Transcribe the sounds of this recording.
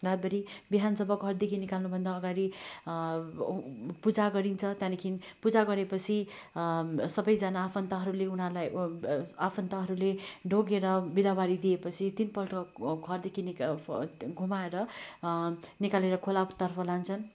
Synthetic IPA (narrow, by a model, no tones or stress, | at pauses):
dad̪̚bʌɾibiɦansʌbʌɡʱʌrd̪ekʰinikalnubʱʌnd̪aːɡaɽi | pud͡zaɡʌɾint͡sʰʌt̪jãnikʰin | pud͡zaɡʌɾepʌt͡sʰi | sʌbʌjd͡zanaːpʰʌnt̪aɦʌɾuleunɦalaj | apʰʌnt̪aɦʌɾuleɖʱoɡeɾʌbid̪abaɾid̪iepʌt͡sʰit̪inpʌlʈkaɡʱʌrd̪ekʰini | ɡʱumaeɾʌ | nikaleɾʌkʰolat̪ʌrpʰʌlant͡sʰʌn